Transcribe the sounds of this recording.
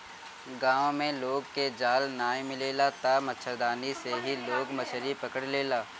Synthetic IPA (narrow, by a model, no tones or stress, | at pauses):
ɡãːʋõmẽloːɡked͡ʒaːlnaːẽmɪleːlat̪amɐtːʃʰəd̪aːniseɦiloːɡmɐt͡ʃʰəɾipɐkəɽleːlaː